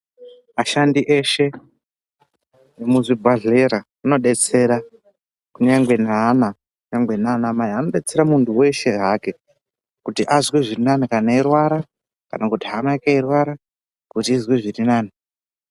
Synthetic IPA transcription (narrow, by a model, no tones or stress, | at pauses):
maʃandiʔe̞ʃe̞ | emuzibʱaɮeɾa | uno̞ɗe̞t͡se̞ɾa | kuɲaŋɡwe̞nana | kuɲaŋɡwe̞nanamajiano̞ɗe̞t͡se̞ɾamuntuwe̞ʃe̞ɦake̞ | kutiʔazwiʐirinanikanairwaɾa | ka̰nakutiɦanakeirwaɾa | kutiːzwiʐirinaːni